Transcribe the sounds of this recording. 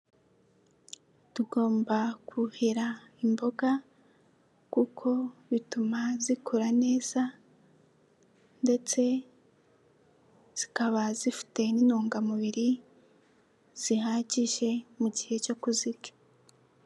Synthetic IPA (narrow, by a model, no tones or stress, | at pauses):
tuɡo̞ːmbakʰuheɾaimbo̞ɡa | kukʰo̞βitumazikʰuɾane̞ːz̥a | nde̞t͡se̞ | z̥ikaβazifi̥te̞ninuːŋɡamuβiɾi | z̥iɦaɟiʃe̞muɟihe̞t͡ʃokuziɡe̥